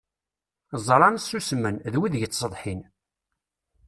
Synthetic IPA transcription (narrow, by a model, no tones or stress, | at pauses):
zˤɾˤɑnsːusmːənðwiðʝət͡sːsəðˤħin